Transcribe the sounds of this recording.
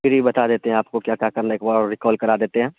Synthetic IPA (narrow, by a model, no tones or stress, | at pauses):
ɪɾibɐt̪ad̪eːt̪eɦɛ̃aːp̚kokjaːkjaːkɐɾnaeːkbaɾɪkɔːlkɐɾad̪eːt̪eɦɛ̃ː